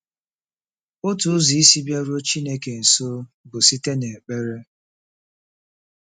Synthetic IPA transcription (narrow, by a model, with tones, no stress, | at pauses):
o˦tu˨ʊ˦zi˨i˦si˦bja˦ɾu˦o˦t͡ʃi˦ne˦ke˨n̩˨so˦ | bʊ˨si˦te˦ne˨k͡pe˦ɾe˦